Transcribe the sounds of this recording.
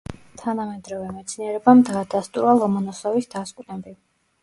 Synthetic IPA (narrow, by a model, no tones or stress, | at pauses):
t̪ʰanamɛd̪ɾɔvɛmɛt̪sʰniɛɾɛbamd̪aːd̪ast̪ʼuɾalˠɔmɔnɔsɔvisd̪askʼnɛbi